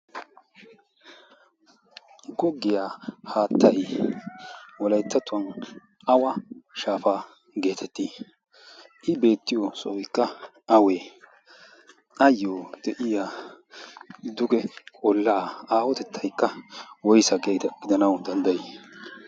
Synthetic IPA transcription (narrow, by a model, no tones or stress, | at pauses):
ɡɔɡːɪjaːhaːt̪ʰːɐj | wɔlɐjt̪ːɐt̪ːʊɐn | ʔɐwɐʃaːfaː | ɡe̞ːt̪ʰɛt̪ːiː | ʔɪbe̞ːt̪ːɪjɔsɔ̰ɪkːɐ | ɐwe | ɐjːoːd̪̥ɛʔɪja | d̪ʊɡɛkʼɔlːaːaːwɔt̪ɛt̪ʰːɐjkːɐwɔjsɐɡet̪ɐɡ̥ɪd̪ɐnɐwd̪ɐnd̪ɐje